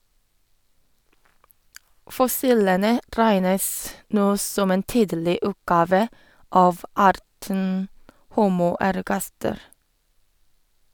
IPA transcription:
fɔˈsiːlənə ˈɾæɪnəs ˈnoː ˈsɔm ˈeːn ˈtiːdlɪ ˈʉːtˌɡɑːʋə ˈɑːʋ ˈɑːɾtən ˈhuːmʊ æɾˈɡɑstəɾ

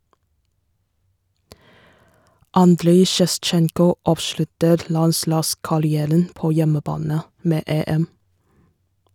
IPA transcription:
ˈɑndɾeɪ ʃɛˈst͡ʃɛŋkʊ ˈɑːʋˌʃlʉtəɾ ˈlɑnˌslɑːskɑɾɪˌæːɾən ˈpoː ˈjɛməˌbɑːnə ˈmeː ˈeːˌɛm

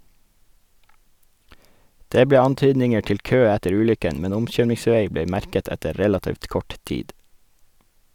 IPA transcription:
ˈdeː ˈbleː ˈɑnˌtyːdnɪŋə ˈʈɪl ˈkøː ˈætəɾ ˈʉːlʏkən ˈmɛn ˈʊmˌçøːmɪŋˌsʋeɪ ˈbeː ˈmæɾkət ˈɛtə ˈɾɛlɑtiːʋt ˈkɔʈ ˈtiːd

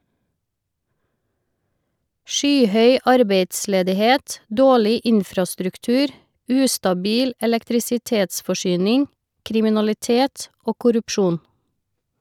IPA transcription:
ˈʃyːˌhœʏ ˈɑɾbeɪdsleːdɪˌheːt ˈdoːɭɪ ˈʔɪnfɾɑstɾʉkˌtʉːɾ ˈʉːstɑˌbiːl ɛlɛktɾɪsɪˈteːtsfɔˌʃyːnɪŋ kɾɪmɪnɑlɪˈteːt ˈoː kʊɾʉpˈʃuːn

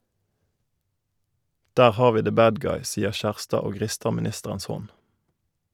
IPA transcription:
ˈdæːʁ ˈhɑːʁ ˈʋiː ðə ˈbæːd ˈɡɑɪ ˈsiːəʁ ˈçæʁstɑː ˈoː ˈʁɪstə mɪˈnɪstəʁəns ˈhɔn

